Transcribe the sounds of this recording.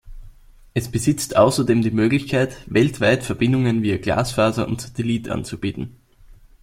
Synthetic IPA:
ʔɛsb̥əzɪt͡stʔaʊsɐdeːmdiːmøːɡlɪçkʰaɪtvɛltv̥aɪtfɛɐb̥ɪndʊŋənviːɐɡ̥la̰ːsfaːzɐʔʊ̰ntsḁtɛliːtʔa̰nt͡sub̥iːtn̩

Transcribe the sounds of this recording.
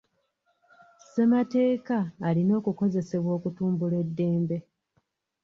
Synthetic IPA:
se̞mate̞ːkaːlino̞ːkuko̞ze̞se̞βwo̞ːkutuːmbule̞dːe̞ːmbe̞

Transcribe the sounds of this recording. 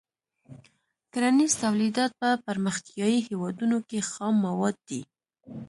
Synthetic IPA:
kaɾanizt̪awlid̪ɑt̪̚pəpaɾməxt̪ijɑjihewɑd̪unokexɑmːawɑd̪̚ːi

